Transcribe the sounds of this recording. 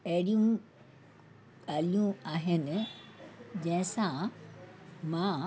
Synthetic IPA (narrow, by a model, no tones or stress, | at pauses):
ɐɦɪɽijũ | ɠaːlijũaːɦɪnɪ̆ | d͡ʑɐ̃ɦɪ̃sã | mã